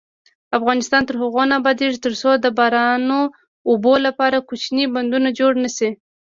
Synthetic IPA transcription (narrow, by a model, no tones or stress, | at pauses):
afɣɑnɪst̪ɑnt̪əɾhaɣonabɑd̪eʐit̪əɾsod̪əbɑɾɑnoː | bolapɑɾakut͡ʃniband̪unad͡ʒoɽnasi